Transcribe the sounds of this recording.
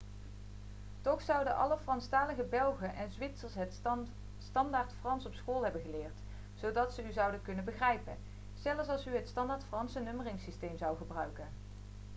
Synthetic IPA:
tɔχsɑwdəʔɑ̰ləfrɑnstaːləχəbɛlˠχəʔɛnzʋɪtsəɹst | stɑndaːɹtfrɑnsɔpsχoːlˠɦɛbənɣəlɪːɹt | z̥owdɑtsəyzʌwdəkɵnənbəχrɛjpən | sɛləfsɑlˠsyɦətstɑndaːɹtfrɑnsənɵmərɪŋsistejmzɑwχəbrœɥkən

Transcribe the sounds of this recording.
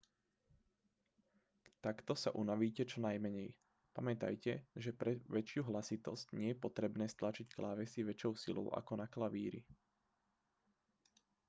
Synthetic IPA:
t̪akt̪ɔsa̰ʔunaʋiːcɛt͡ʃɔnajmɛɲɛj | pamɛt̪a̰jcɛʒɛpɾɛʋɛt͡ʃɪuɦlasit̪ɔscɲɛjɛpɔt̪ɾɛbnɛːst̪lat͡ʃicklaːʋɛsiʋɛt͡ʃɔʊsilɔ̰ʊʔa̰kɔnaklaʋiːɾḭ

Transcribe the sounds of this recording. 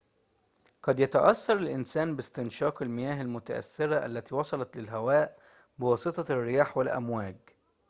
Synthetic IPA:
qɑd̪jæt̪æʔɑsːɑɾˤalʔɪnsæːnbɪst̪ɪnʃɑːqalmɪjæːɦalmʊt̪a̰ʔæ̰sːɪɾaʔæ̰lːæt̪iːwɑsˤɑlɑt̪lɪlɦæwæːʔ | bɪwɑːsˤɨt̪ˤɑrːɪjaːħwɪlʔæ̰mwæːɡ

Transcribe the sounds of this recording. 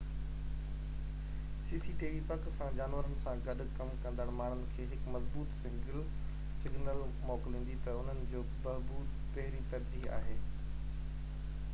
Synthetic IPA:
siːsiʈiːʋipɐksãd͡ʑaːnʋəɾənɪ̆sãɡɐɗ̆kɐmkɐ̃nd̪əɽ̃maːɳ̤̃ʊnɪ̆kʰeːɦɪkmɐzbuːt̪sɪ̃ŋɡɪl | sɪɡnəlmɔːklĩːnd̪it̪ɐʊn̤ənɪ̆d͡ʑoːbɐɦbuːd̪ | p̪ɐɦɾip̪ɐɾd͡ʑia̰ːɦeː

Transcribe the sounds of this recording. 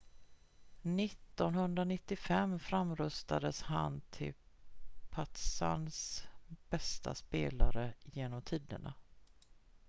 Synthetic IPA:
nɪt̪ːɔnhɵnd̪ɾanɪt̪ːɪfɛmːfɾamːɾɵst̪ad̪əsha̰nt̪ʰɪl | pʰat̪sa̰nsb̥ɛst̪ʰa̰speːlaɾəjeːnɔmt̪ʰiːd̪əɳa̰

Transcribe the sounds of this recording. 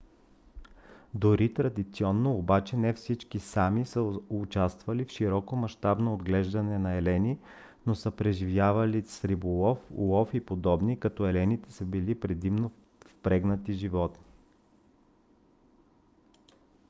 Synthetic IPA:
d̪oɾit̪ɾɐd̪it̪siɔnːoːbat͡ʃɛnɛfsit͡ʃkisamisəʊt͡ʃast̪vɐlifʃiɾɔkomɐʃt̪abnoːd̪ɡlɛʒd̪ɐnɛnɐɛlɛni | nosəpɾɛʒivjavɐlisɾibolˠɔfṵlˠɔfipod̪ɔbnikɐt̪ɔɛlɛnit̪ɛsəbilipɾɛd̪imno | fpɾɛɡnət̪iʒivɔt̪ni

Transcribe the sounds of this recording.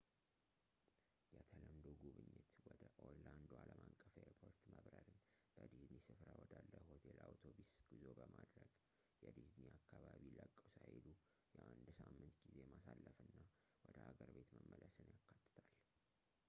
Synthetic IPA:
jɛt̪ʰələmd̪oɡuβɨɲːɪt̪wɔd̪əʔoland̪ualəmʔakʼːəfeɾpʰo̞ɾt̪məβɾəɾɨn | b̥əd̪iznisɨfɾawɔd̪alːəhot̪ʰelawt̪ʰobisɡ̥izo̞bəmad̪ɾəɡ̥ | jɛd̪izniakːaβaβiləkʼːəwsajlu | jɛʔand̪samːɨnt̪ɡize̞jmasalːəfɨnːa | wɔd̪əhaɡəɾbe̞t̪məmːələsɨnjakʰːat̪ʼːɨ̥t̪ʰal

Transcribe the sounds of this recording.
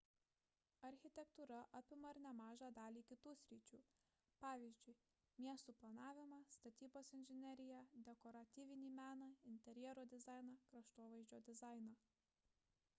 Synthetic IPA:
ɐɾʲxʲɪt̪ʲɛkt̪uːɾɐʔɐpʲɪmɐɾnʲɛmɑːʒɑːd̪ɑːlʲiːkʲɪt̪uːsʲɾʲɪt͡ʃʲuː | pɑːʋʲiːzʲd͡ʒʲʊɪ | mʲiɛst̪uːplˠɐnɑːʋʲɪmɑːst̪ɐt̪ʲiːboːsɪnʲʒʲɪnʲɛɾʲɪjɛd̪ʲɛkɔɾɐt̪ʲiːʋʲɪnʲiːmʲæːnɑɪnʲt̪ʲɛɾʲjɛɾoːd̪ʲɪzɑˑɪnɑkɾɐʃt̪oːʋɐɪzʲd͡ʒʲoːd̪ʲɪzɑˑɪnɑ

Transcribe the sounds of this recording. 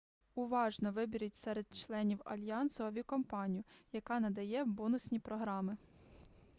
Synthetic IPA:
ʊʋɑʒnɔʋɪbʲiɾʲitʲsɛɾed̪̥̚t͡ʃlˠɛnʲiwɐ̰lʲjɑnsɔɐʋʲikɔmpɑnʲijʊjɐkɑnɐd̪ɐjɛbɔnʊsʲnʲipɾɔɦɾɑmɪ

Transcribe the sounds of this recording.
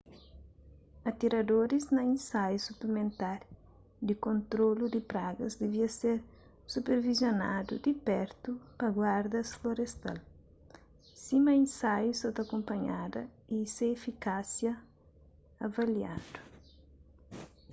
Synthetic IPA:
ɐt̪iɾɐd̪oɾiznɐĩnsajusuplemẽnt̪aɾ | d̪ikõnt̪ɾolud̪ɪpɾaɡɐzd̪eviɐseɾ | supeɾvizjona̰d̪ṵd̪ipɛɾt̪upɐɡwaɾd̪ɐsfloɾest̪a̰l | sĩmɐĩnsajusɔt̪ɐkõmpɐɲad̪ɐ̰isẽːfikasjɐː | vɐlja̰d̪̥u

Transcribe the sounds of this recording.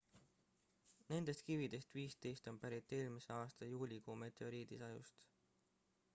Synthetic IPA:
ne̞nd̪̥e̞st̪̚kivid̪̥e̞st̪viːst̪e̞jst̪o̞npæɾit̪ːˑe̞ːlmise̞ɑːst̪ɑjuːlʲikoːme̞t̪ˑoɾiːd̪isɑjṵst̪

